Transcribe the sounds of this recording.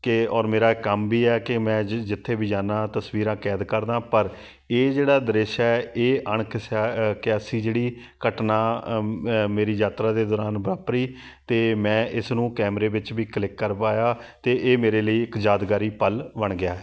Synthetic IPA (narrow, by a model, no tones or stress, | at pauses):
kɪɔːɾmeːɾaːɪkːəmbiːɛːkɪmɛ̃ːd͡ʒɪt̪ʰːeːbʱiːd͡ʒaːnãːt̪əsʋiːɾãːkɛːd̪kəɾd̪ãːpəɾ | eːd͡ʒeːɽaːd̪əɾeːʃɛɛeːʔəɳ̃kɪsaːkɪasiːd͡ʒeːɽiː | kəʈnãː | meːɾiːd͡ʒaːt̪ɾaːd̪eːd̪ɔːɾaːnbəɾaːpɾiː | t̪eːmɛ̃ːʔɪsnũːkɛːmɾeːʋɪt͡ʃbiːklɪkːəɾpaːjaːt̪eːʔeːmeːɾeːləiːɪkd͡ʒaːd̪ɡaːɾiːpəlʋəɳ̃ɡɪjaːɛː